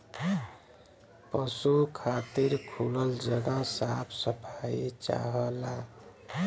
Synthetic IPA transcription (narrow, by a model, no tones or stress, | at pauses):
pʌsukʰat̪iɾkʰuləld͡ʒəɡasapʰsəpʰait͡ʃa̰ɦʌla